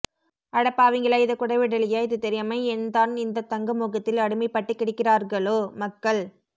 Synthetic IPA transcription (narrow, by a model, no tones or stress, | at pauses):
ʔɐɽɐpːaːʋɪŋɡɐɭaɪðɐkːʊɽɐɪʋɪɽɐlɪjaːɪðɯt̪ɛɾɪjɐmɐɪɛnd̪aːnɪnd̪ɐt̪ːɐŋɡɐmuːɣɐt̪ːɪlɐɽɯmɐɪpːɐʈːɯkːɪɽɪkːɪraːɾɣɐɭoːmɐkːɐɭ